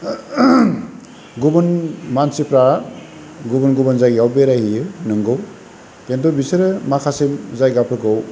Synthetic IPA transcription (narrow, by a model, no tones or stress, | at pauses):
ɡubɯnmansipɾa | ɡubɯnɡubɯnzajɡawbeɾajhijɯnɯŋɡɯw | kentɔbisɯɾɯmakʰasimzajɡapʰɯkɯw